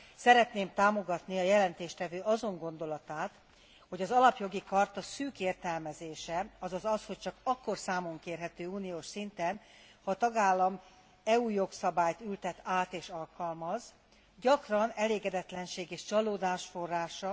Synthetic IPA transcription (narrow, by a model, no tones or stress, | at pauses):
sɛɾɛt̪neːmt̪aːmo̞ɡɒt̪niɒjɛlɛnt̪eːʃt̪ɛvøːʔɒzo̞ŋɡo̞nd̪o̞lɒt̪aːt̪ | ho̞ɟɒzɒlɒpjo̞ɡikɒrt̪ɒsyːkeːrt̪ɛlmɛzeːʃɛɒzɒzɒsho̞c̚t͡ʃɒkɒkːo̞rsaːmo̞ŋkeːrɦɛt̪øːuːnijoːʃsint̪ɛn | hɒːt̪ɒɡaːlːɒm | ɛuːjo̞ksɒbaːjt̪ylt̪ɛt̪aːt̪eːʃɒlkɒlmɒz | ɟɒkrɒnɛleːɡɛd̪ɛt̪lɛnʃeːɡeːʃt͡ʃɒloːd̪aːʃfo̞rːaːʃɒ